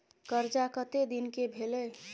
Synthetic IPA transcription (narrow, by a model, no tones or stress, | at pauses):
kəɾd͡ʒakət̪ed̪inkebʱelɛ